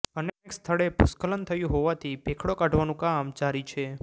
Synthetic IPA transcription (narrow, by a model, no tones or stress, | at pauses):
əneekst̪ʰəɭepṵskələnt̪ʰəjũɦoʋat̪ʰipekʰɽokaɖʱʋanũkamd͡ʒaɾit͡ʃʰe